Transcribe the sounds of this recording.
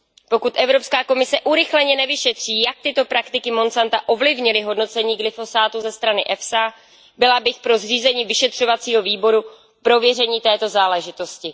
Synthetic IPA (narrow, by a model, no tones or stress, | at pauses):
po̞kut̪ʔɛvɾo̞pskaːko̞mɪsɛʔuɾɪxlɛɲɛnɛvɪʃɛt̪r̝̥iːjak̚t̪ɪt̪o̞pɾakt̪ɪkɪmo̞nsant̪aʔo̞vlɪvɲɪlɪɦo̞dno̞t͡sɛɲiːɡlɪfo̞saːt̪uzɛst̪ɾanɪʔɛfsa | bɪlabɪxpɾo̞zriːzɛɲiːvɪʃɛt̪r̝̥o̞vat͡siːɦo̞viːbo̞ɾu | pɾo̞vjɛrɛɲiːt̪ɛːt̪o̞zaːlɛʒɪt̪o̞scɪ